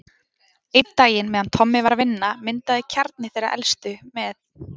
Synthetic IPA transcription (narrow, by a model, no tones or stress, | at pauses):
ejt̪̚t̪ːaːjɪnmɛðant̪ʰɔmːɪvaɾvɪnːamɪnt̪aðɪcʰaɾt̪̚nɪθejɾaʔɛ̰lst̪ʏmɛθ